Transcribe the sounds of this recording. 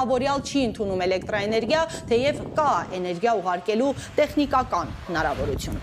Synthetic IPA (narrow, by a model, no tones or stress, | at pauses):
vɔɾjɑlt͡ʃʰiənt̪ʰunumɛlɛkt̪ɾɑɛnɛɾɡjɑt̪ʰɛjɛvkɑɛnɛɾɡjɑuʁɑɾkɛlut̪ɛχnikɑkɑnhənɑɾɑ̰vɔɾut͡sʰjun